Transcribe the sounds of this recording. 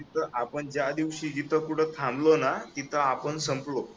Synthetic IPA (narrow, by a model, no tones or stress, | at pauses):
it̪ʰəʔapəɳd͡ʑjad̪iʋɕiːd͡ʑit̪ʰəkuɽ̤ʰət̪ʰamlonat̪it̪ʰəapəɳsəmplo